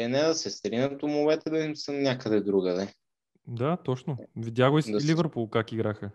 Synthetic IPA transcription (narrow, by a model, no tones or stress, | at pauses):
ɛnɛd̪ɐsɛst̪ɾinʲət̪omʊvɛt̪ɛd̪ɐimsənnʲakəd̪ɛd̪ɾuɡəd̪ɛ | d̪at̪ɔt͡ʃnovidʲjaɡʊislivɛɾpulˠkakiɡɾaxə